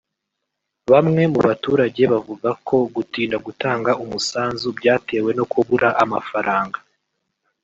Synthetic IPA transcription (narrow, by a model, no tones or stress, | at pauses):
βamŋe̞muβatuːɾaɟe̞βavuɡakʰo̞ɡutiːndaɡutaːŋɡaʔumusaːnzubɟaːte̞ːwe̞no̞kʰuβuɾaʔamafaɾʔaːŋɡḁ